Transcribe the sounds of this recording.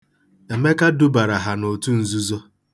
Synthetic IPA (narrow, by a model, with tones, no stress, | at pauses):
e˨me˦ka˦dʊ˦ba˨ɾa˨ɦa˨no˨tu˦n̩˨zu˦zɔ˦